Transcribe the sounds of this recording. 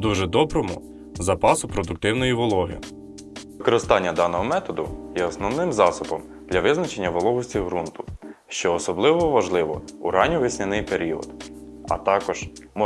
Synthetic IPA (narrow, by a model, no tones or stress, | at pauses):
d̪uʒɛd̪ɔbɾɔmʊ | zɐpɑsʊpɾɔd̪ʊk̚t̪ɪwnɔjiʋɔlˠɔɦɪ̰ | ʋɪkɔɾɪst̪ɑnʲːɐd̪ɑnɔɦɔmɛt̪ɔd̪ʊ̰jɛɔsnɔwnɪmzɑsʊbɔm | d̪̥lʲɐʋɪznɐt͡ʃe̞nʲːɐʋɔlˠɔɦʊsʲt͡sʲiɦɾunt̪ʊ̥ʃt͡ʃɔːsɔblˠɪʋɔʋɐʒlˠɪʋɔuɾɑnʲɔʋɪsʲnʲɪnɪjpeɾʲiɔ̰d̪ɐ̰t̪ɑkɔʒ̥mɔ